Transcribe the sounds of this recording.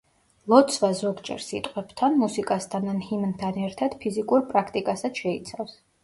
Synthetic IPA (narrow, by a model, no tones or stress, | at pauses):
lˠɔt̪sʰvazɔɡd͡ʒɛ̰ɾsit̪ʼqʼwɛb̥t̪ʰanmusikʼast̪ʰananhimnt̪ʰanɛɾt̪ʰad̪̥pʰizikʼuɾpʼɾakʰt̪ʼikʼasat̪ʃɛit̪sʰafs